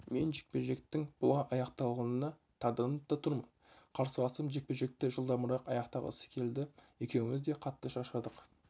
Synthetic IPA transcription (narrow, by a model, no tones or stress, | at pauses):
me̞nʒe̥k̚pe̞ʒe̞k̚t̪ɪŋb̥ʊlˠɑʔɑjɑqt̪ɑlˠʁɑnənɑ | t̪ʰɑd̪ənəp̚t̪ɑt̪ʰʊɾmən | qʰɑɾsəlɑsəmʒe̞k̚peʒe̞k̚t̪ɪʒəlˠd̪ɑməɾɑqɑjɑqt̪ɑʁə̰sə̥kʲʰe̞ld̪ɪje̞kʲe̞wɪŋɪzd̪e̞qʰɑt̪ːəʃɑʃɑd̪əq